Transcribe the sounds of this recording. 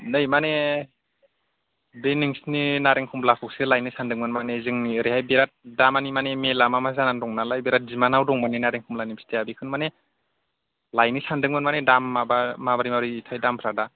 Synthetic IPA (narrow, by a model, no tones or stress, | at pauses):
nɯjmane | beniŋsninaɾeŋkʰumlakʰuk̚sɯlajnisandɯŋmɯnmanezɯŋniɯɾihajbeɾat̚damanimanemelamamazanandɔŋnalajbeɾat̚zimanawdɔŋmanenaɾeŋkʰumlanimsi̥teabikʰɯnmane | lajnisandɯŋmɯnmanedamːabamabaɾimabɾiːtʰajdampʰɾada